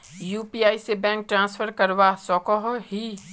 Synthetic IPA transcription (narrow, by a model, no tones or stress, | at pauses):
juːpiaːisebɛ̃ːŋk̚ʈɾãːsfʰəɾkɐɾʋasɔːkɔɦɦi